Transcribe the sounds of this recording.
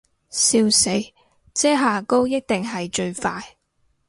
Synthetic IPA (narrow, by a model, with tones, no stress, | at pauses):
siː˧wse˨˥j | t͡sɛː˥ɦaː˨ko˥wjɐ˥k̚t̪ɪ˨ŋɦɐ˨jt͡ʃɵ˧ɥfaː˧j